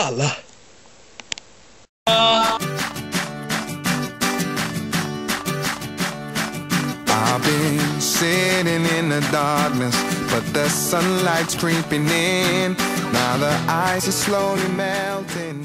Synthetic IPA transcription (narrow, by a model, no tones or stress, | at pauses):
la | aɪbɪ̃nsɪɾɪ̃ŋɪ̃nðɨdɑɹk̚nɨsb̥ʌt̪̚ðɨsʌ̃nlaɪtskʰɹ̥ipɪ̃ŋɪ̃nːaʊðəʔaɪzɨz̥sloʊlimɛlˠtʰɪ̃ŋ